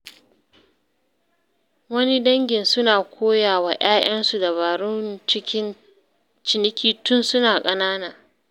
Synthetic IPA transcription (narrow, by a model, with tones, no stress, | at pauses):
wɐ˦ni˦dɐ˦ŋɡʲɪ˨nsʊ˦naː˨kʷʰoː˦jaː˨waː˨ʔaː˦j̰ɐ˦nsu˨da˨βaː˨ɽʊ˦nt͡ʃɪ˦kʲɪ˦n | t͡ʃɪ˨nɪ˦kʲiː˦tʊ˦nsʊ˦naː˨kʼɐ˦naː˦naː˨